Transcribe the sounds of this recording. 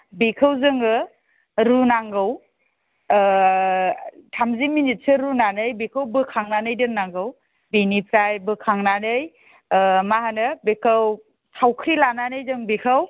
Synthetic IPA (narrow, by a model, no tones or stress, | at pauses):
bikʰɯwzɯŋɯ | ɾunaŋɡɯw | tʰamziminit̚sɯɾunanɯjbikʰawbɯkʰaŋnanɯjdɯŋnaŋɡɯw | binipʰɾajbɯkʰaŋnanɯj | maɦanɯbekʰaw | sʰawkʰɾilananɯjzɯŋbikʰaw